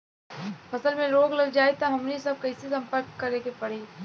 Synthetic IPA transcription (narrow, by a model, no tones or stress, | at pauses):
pʰɐsəlmẽɾoːɡlɐɡd͡ʒaːet̪aɦɐmnesɐb̚kɐɪsisɐ̃mpəɾkːɐɾekepɐɽ̤eː